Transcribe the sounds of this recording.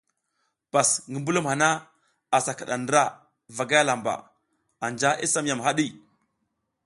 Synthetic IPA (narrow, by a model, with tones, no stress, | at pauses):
b̥a˨sŋɡə˨mbu˦lu˦mha˨na˦ | a˨sa˨ka˨ɗa˨ndə˦ɾa˦ | va˨ɡa˦ja˦la˨mba̰˨ | a˨nd͡ʒa˦ʔḭ˦sa˦m˦ja˨mɦa˦ɗi˦˨